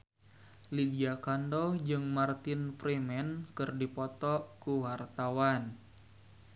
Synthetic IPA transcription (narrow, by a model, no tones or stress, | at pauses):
lidiakandɔhd͡ʒɨŋmart̪ɪnfɾimɛnkɨrdipɔt̪ɔʔkuwart̪awan